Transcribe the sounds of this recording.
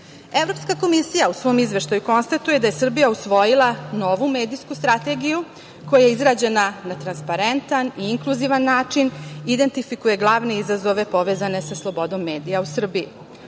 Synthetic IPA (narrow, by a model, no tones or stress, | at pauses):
e̞vɾo̞pskako̞misijausʋo̞ːmizʋe̞ʃt̪ajuko̞nst̪at̪uje̞d̪aje̞sr̩bijausʋo̞jilˠano̞ʋume̞ːd̪ijskust̪ɾat̪e̞ɡiju | ko̞jaje̞izɾaːd͡ʑe̞nanat̪ɾanspaɾe̞nt̪aniiŋklˠuziʋanːaːt͡ʂinid̪e̞nt̪ifikuje̞ɡlˠaʋne̞izazo̞ʋe̞po̞ʋezane̞saslˠo̞bo̞d̪o̞mːe̞ːd̪ijausr̩bii